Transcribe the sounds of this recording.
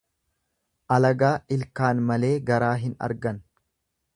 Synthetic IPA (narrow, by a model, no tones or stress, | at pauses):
ʔɐlɐɡaːɪlkaːnmɐle̞ːɡɐɾaːɦɪnɐ̰ɾɡɐn